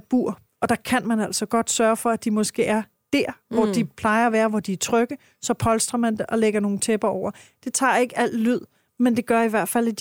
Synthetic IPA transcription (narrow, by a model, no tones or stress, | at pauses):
b̥ṵɐ̰ | ɒ̽d̥ɑ̈kʰænmænæl̰sɒ̽ɡ̥ɒ̽d̥sɶɐfɒ̽æd̥imɒ̽sɡ̥e̝̰ːæɐ | d̥æɐ̰ʋɒd̥ipʰlɑ̈ɪɐɒʋæːɐʋɒd̥iæɐt͡sʰʁœɡ̥ə | sɒ̽pʰɒ̽lsd̥ʁɐmænd̥e̝ʔɒ̽leɡ̥ɐno̝ːn̩t͡sʰeb̥ɐɒʊ̰ɐd̥e̝t͡sʰɑ̰̈ːe̝ɡ̥əæl̰d̥lyð̰ˠ | mend̥e̝ɡ̥ɶɐiʋæɐ̰d̥fæl̰id̥